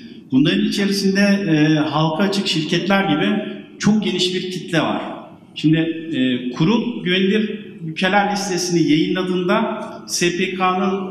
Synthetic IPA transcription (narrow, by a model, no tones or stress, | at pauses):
bunlˠaɾɯnit͡ʃʰe̞ɾisind̪ɛːɦalˠkʰaːt͡ʃʰɯkʃiɾcʰɛt̪lʲæɾɟibɪt͡ʃʰo̞k̚ɟe̞niʃbiɾcʰit̪lʲɛva̰ɾ̥ | ʃimd̪ɪɛːkʰuɾupɟønlʲiɾ | jʲycʰe̞lʲæɾlʲist̪ʰe̞sinijajɯnlˠad̪ɯːnd̪a | sepekʰaːnɯn